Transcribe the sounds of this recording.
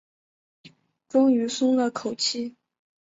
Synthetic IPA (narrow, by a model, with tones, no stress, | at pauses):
ʈ͡ʂʊ˥ŋy˧˥sʊ˥ŋlə˨kʰo˨˩ʊt͡ɕʰi˥˩